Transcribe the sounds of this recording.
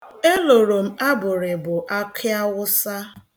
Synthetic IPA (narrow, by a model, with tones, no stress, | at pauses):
e˦lo˨ɾo˨m̩˦a˦bʊ˨ɾɪ˨bʊ˨ʔa˦kʰja˦wʊ˦sa˦